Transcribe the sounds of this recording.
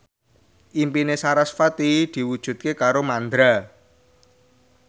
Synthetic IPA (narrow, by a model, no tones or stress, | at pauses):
ʔimpinesaɾasfat̪id̪̥i̤wud̥ʒ̥ṳt̪̚kekaɾomand̪ɾa